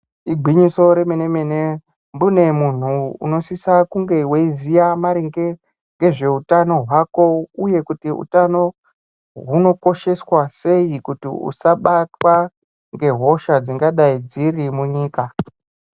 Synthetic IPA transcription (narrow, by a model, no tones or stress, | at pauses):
iɡʱiɲiso̞ɾe̞menemene | mbune̞mun̤uṵno̞sisakuŋɡe̞weizijamaɾiŋɡe̞ | ŋɡe̞ʐe̞utano̞ɦwako̞uje̞kutiṵtano̞ | ɦuno̞ko̞ʃe̞swase̞ikutḭṵsaɓatwa | ŋɡe̞ɦo̞ʃad͡ziŋɡaɗaid͡zirimuɲiːka